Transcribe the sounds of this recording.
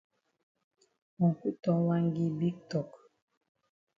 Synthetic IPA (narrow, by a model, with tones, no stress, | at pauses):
mɔ˨ŋ˨ku˦tɔ˦wa˦ŋ˦ɡi˦bi˦k̚tɔ˨k